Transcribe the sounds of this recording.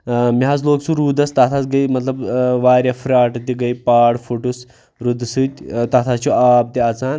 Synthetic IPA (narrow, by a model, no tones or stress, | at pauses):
mɦaːzloːksũɾuːd̪ɐst̪at̪ʰat͡sɡɐimɐt̪lɐbʋaːɾjafɾaːʈt̪iɡɐjpaːɽfʰoʈus | ɾud̪sɨt̪ʲt̪ɐt̪ʰat͡ʃʰuaːb̚t̪iaːt͡saːn